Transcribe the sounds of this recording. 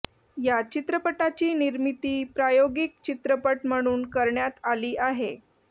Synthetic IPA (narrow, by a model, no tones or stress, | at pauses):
jat͡ɕit̪ɾəpəʈat͡ɕiːniɾmit̪iːpɾajoɡik̚t͡ɕit̪ɾəpəʈm̤əɽ̃uːnkəɾɳjat̪aliːʔaɦḛ